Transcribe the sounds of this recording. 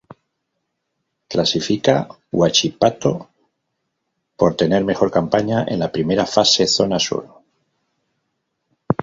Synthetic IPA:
klasifika | wat͡ʃipat̪o̞ | po̞ɾt̪e̞ne̞ɾme̞xo̞ɾkampaɲaʔe̞̰nlapɾimeɾafase̞θo̞naso̰ɾo

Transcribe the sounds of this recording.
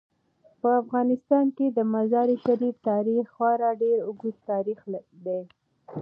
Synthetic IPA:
pəafɣɑnɪst̪ɑnked̪əmazɑɾiʃaɾift̪ɑɾixxwɑɾɑɖeɾʊɡud̪t̪ɑɾixd̪e

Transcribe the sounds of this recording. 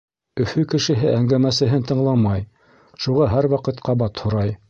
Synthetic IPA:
ɵ̆fɵkɘ̆ʃɘ̆ɦɘʔæŋɡæmæsɘ̆ɦɘnt̪ɤ̆ɴlˠɑmɑj | ʃuʁɑɦæɾwɑqɤ̆t̪qɑβɑt̪hŏɾɑj

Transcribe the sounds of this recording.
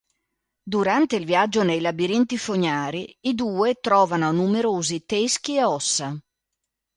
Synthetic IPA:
d̪uɾant̪eilvjad͡ʒːonejlabiɾint̪ifoɲaːɾiːd̪uːet̪ɾɔːvanonumeɾoːzit̪esk̟ieɔsːa

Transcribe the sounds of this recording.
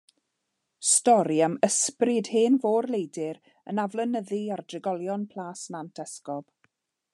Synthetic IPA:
stɔɾiaməsprɪd̥heːnvoːrlˠejdɪɾ | ənavlˠənəðiardrɪɡɔlˠjɔnpʰl̥ˠaːsnantʰɛskɔb̥

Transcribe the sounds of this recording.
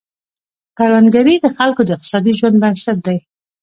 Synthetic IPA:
kaɾwanɡaɾid̪əxalkod̪əɪq̪̚ɪ̥sɑd̪iʒwand̪maɾsat̪̚d̪aj

